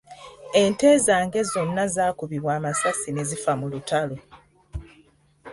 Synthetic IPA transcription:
e̞nte̞ːzaːŋɡe̞zo̞nːazaːkuβiβwaːmasasine̞zifamulutalo

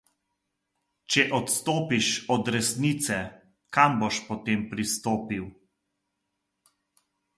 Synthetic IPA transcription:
t͡ʃɛʔɔt̪st̪oːpiʃɔd̪ɾɛsnit̪sɛ | kamboʃpɔt̪eːmpɾist̪oːpiw

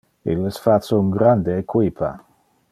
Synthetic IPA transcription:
ḭlːesfat͡sːouŋɡɾand̪eːkwipʰa̰

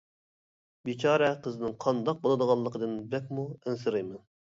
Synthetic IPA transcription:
bit͡ʃʰɑːɾɛqəzɨnɪŋqʰɑnd̪ɑq̚bolˠɨd̪əʁɑlˠːəqəd̪ɨnbɛk̚ʲmuænsɨɾɨjmɛn

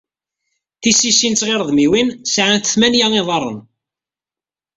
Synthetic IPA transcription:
θisisint͡sʁeɾəðˤmiwinsʕanθəθmænjæŋɪðˤɑrˤːə̰n

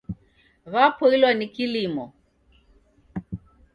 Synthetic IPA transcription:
βapɔilwanikilimɔ

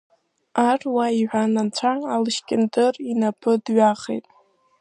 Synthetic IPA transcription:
arwaiʕʷᶣanant͡ɕʷʰaːlɨʃkʲʼɪndɨrinapʰɨdɥaχḛjtʼ

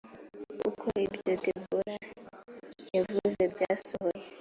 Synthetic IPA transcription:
ṵkʰoebdotebuɾa | evuzebjasoje

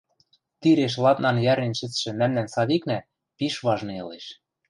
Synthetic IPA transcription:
t̪iɾeʃ̬lˠɑt̪nɑnjæɾenʃɘ̆t͡sʃɘ̆mæmnænsɑd̪iknæ | piʃβɑʒnɤɤ̰̆leʃ

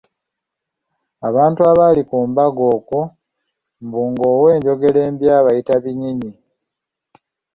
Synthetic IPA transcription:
aβaːntuaβalikuːmbaɡo̞ːku | mbuːŋɡoːwe̞ːɲɟo̞ɡe̞le̞ːmbjaːβajitaβiɲiɲi

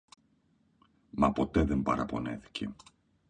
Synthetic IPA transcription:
mɐpo̞t̪e̞ðe̞mbɐɾɐpo̞ne̞θi̥cʰe̞̰

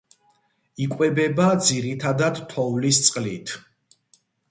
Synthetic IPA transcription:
ikʼwɛbɛbad̪ziɾit̪ʰad̪ad̪t̪ʰɔvlist̪sʼqʼlit̪ʰ

